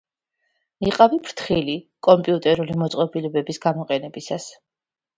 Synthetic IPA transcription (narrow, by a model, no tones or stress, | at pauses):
iqʼavipʰɾt̪ʰχilikʼɔmpʼiut̪ʼɛɾulimɔt̪sʼqʼɔbilɛbɛbisɡ̥amɔqʼɛnɛbisas